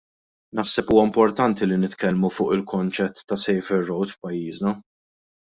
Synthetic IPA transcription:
nɐħsɛpuːwɐɪmpɔɾt̪ɐnt̪ilinɪt̪kɛlmufʊːʔɪlkɔnt͡ʃɛt̪ːɐsɛjfɛɾːɔwt̪fpɐjːiːznɐ

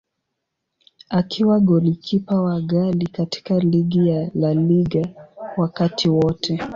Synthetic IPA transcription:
akʰiwaɡɔlikʰipawaɠalikati̥kaliɡijalaliɡawakatʰiwɔtʰɛ

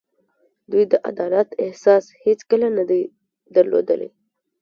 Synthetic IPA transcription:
d̪ujd̪əʔa̰d̪ɑlat̪ɪhsɑshet͡skəlanad̪aj | d̪aɾlo̰d̪ə̰lḛ

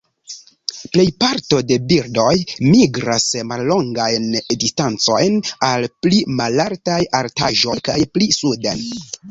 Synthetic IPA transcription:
ple̞jpaɾto̞de̞biɾdo̞jmiɡɾasmalːo̞ŋɡajndistant͡so̞jnalplimalaɾtajaɾta̰ʒo̞jkajplisudan

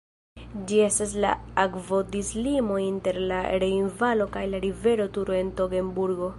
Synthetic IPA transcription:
d͡ʒie̞stas̬la̰akvo̞dislimo̞inte̞ɾlaɾe̞invalo̞kajlaɾive̞ɾo̞tuɾo̞e̞nto̞ɡe̞mbuɾɡo̞

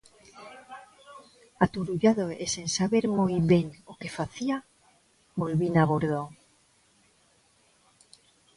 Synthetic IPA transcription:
at̪uɾuʎaðoesensaβe̞ɾmojβeŋoke̞faθia | bo̞lβinaβoɾðoŋ

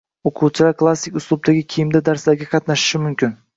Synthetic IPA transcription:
oqʰuwt͡ʃʰɪlaɾkʰlˠasːɪkʲʊslˠʊb̚d̪ʰaɡʲɪkʲʰejɪmd̪ad̪aɾslaɾɡʲaqʰɑt̪naʃɪ̥ʃɪmʊmkʲɪn

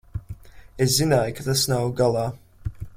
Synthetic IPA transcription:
eszinajkat̪asnawɡalˠaː

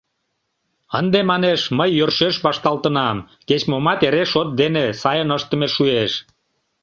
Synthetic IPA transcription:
ənd̪emɑneʃməjːørʃeʃβɑʃt̪ɑlt̪ənɑm | ket͡ɕmomɑt̪eɾeʃot̪̚d̪enesɑjənəʃt̪əmeʃueʃ

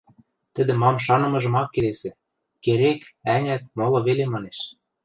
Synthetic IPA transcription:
t̪ɘ̆d̪ɘ̆mɑmʃ̬ɑnɤ̆mɤ̆ʒɤ̆mɑkːelesĕ | keɾekænʲæt̪̚molˠɤ̆βelemɑneʃ

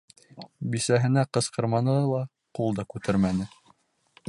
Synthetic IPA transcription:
bisæɦɘ̆næqɤ̆sqɤ̆ɾmɑnɤlˠɑ | qulˠd̪ɑkʉt̪ʰɘɾmænɘ

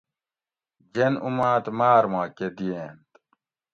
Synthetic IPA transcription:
d͡ʑenumaːt̪maːɾmaːked̪ijeːnt̪

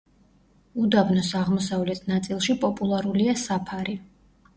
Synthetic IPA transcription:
ud̪abnɔsaʁmɔsavlɛt̪ʰnat̪sʼilˠʃipʼɔpʼulˠaɾuliasapʰaɾi

